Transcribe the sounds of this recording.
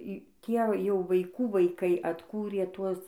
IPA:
ˈtʲiɛ jɛʊ ʋɐɪˈkuː ʋɐɪˈkɐɪ ɐtˈkuːrʲeː ˈtuɔs

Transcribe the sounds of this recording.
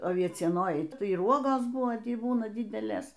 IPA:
ɐʋʲiɛt͡sʲiɛˈnoːjɛɪ ˈtɐɪ ɪr ˈuɔɡoːs ˈbuːnɐ ˈtʲiː ˈbuːnɐ ˈdʲɪdʲɛlʲeːs

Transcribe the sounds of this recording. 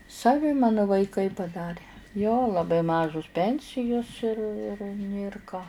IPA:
sɐˈʋʲɪ ˈmɑːnʊ ʋɐɪˈkɐɪ pɐˈdɑːrʲeː joː lˠɐˈbɐɪ ˈmɑːʒʊs ˈpʲɛnʲsʲɪjʊs ɪr ɪr nʲeːr ˈkɑː

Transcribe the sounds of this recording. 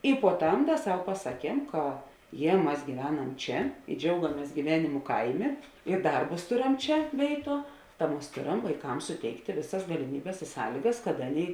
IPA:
ɪ puɔ ˈtɐm ˈdɐ ˈsɐʊ pɐsɐˈkʲiɛm kɐ ˈjiɛ ˈmɐs ɡʲiːˈʋʲæːˌnɐm ˈt͡ʃʲɛ ɪ ˈd͡ʒʲɛʊɡɐmʲeːs ɡʲiːˈʋʲæːnʲɪmʊ ˈkɐɪˌmʲeː ɪ ˈdɐrbʊs ˈtoːˌrʲɛm ˈt͡ʃʲɛ ˈʋʲeːɪˌtuɔ tɐ ˈmɐs ˈtoːˌrɐm ʋɐɪˈkɐms sʊˈtʲɛɪktʲeː ˈʋʲeːˌsɐs ɡɐlʲɪˈmʲiːbʲeːs ɪ ˈsɑːlʲiːɡɐs kɐt ˈɑːˌnʲeːɪ

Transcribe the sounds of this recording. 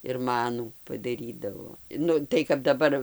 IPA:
ɪr ˈmɑːnuː pɐdɐˈrʲiːdɐʋoː ˈnʊ tɐɪ kɐp dɐˈbɐr

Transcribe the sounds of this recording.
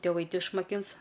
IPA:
tʲɪˈʋɐɪ ˈtʲɪ ɪʃmɐˈkʲɪns

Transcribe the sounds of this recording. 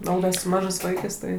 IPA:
oː ˈdɐ sʊ ˈmɑːʒɜs ˈʋɐɪkɜs ˈtɐɪ

